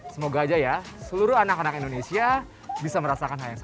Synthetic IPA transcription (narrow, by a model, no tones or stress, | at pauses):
səmoɡaːd͡ʒajasəluɾʊanakanakindonesia | bisaməɾasakanɦajaŋs